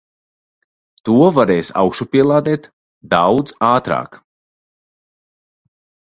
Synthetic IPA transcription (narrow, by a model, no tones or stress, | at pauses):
t̪uɔvaɾɛːjsa̰wkʃupiɛlˠaːd̪ɛːt̪ | d̪awd̪zaːt̪ɾa̰ːk